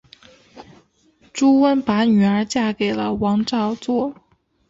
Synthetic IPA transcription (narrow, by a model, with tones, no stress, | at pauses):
ʈ͡ʂu˥wə˥npa˧˥ny˨˩ə˞˧˥t͡ɕja˥˩ke˨˩ɪlə˦wɑ˧˥ŋʈ͡ʂɑ˥˧ʊt͡swɔ˥˩